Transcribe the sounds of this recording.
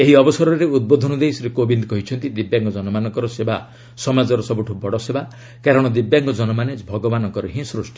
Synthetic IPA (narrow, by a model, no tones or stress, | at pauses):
eɦiɔbɔsɔɾɔɾeud̪̚bod̪ʱɔnɔd̪ejsɔɾekobind̪kɔɦit͡ʃʰɔnt̪id̪ibjaŋkɔd͡ʒɔnɔmanɔŋkɔɾɔseba | sɔmad͡ʒɔɾɔsɔbuʈʰubɔɽɔseba | kaɾɔɽ̃ɔd̪ibjaŋkɔd͡ʒɔnɔmanebʱɔɡɔbanɔŋkɔɾɔɦĩsɾusʈi